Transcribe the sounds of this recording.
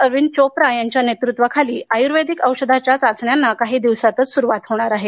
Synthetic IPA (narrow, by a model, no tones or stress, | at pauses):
əɾʋint͡ɕopɾajaɲt͡ɕjanet̪ɾut̪ʋəkʰaliːʔajuɾʋed̪ʱikəwɕəd̪ʱat͡ɕjat͡sad͡zɳjanːakaɦiːd̪iʋsat̪ət͡ssuɾuʋat̪ɦoɽ̃aɾaɦe